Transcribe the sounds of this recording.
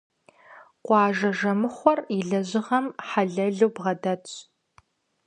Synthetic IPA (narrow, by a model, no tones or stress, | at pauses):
qʷɑːʒɐʒɐmɨχʷɔriɮɐʑɪʁɐmħaɮɐɮuːbʁɐdɐtʼ